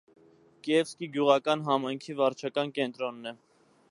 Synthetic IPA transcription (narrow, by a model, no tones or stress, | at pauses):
kɛvskiɡjuʁɑkɑnɦɑmɑjŋkʰivɑɾt͡ʃʰɑkɑnkɛnt̪ɾɔnːɛ